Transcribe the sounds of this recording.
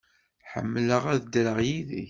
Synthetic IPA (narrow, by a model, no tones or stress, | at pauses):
ħə̰mːləʁæðd̪ɾəʁjiðḭç